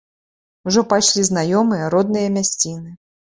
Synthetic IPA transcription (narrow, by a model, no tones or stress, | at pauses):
uʐɔpajʂlʲiznajɔmɨjɐɾɔd̪̚nɨjɐmʲasʲt͡sʲinɨ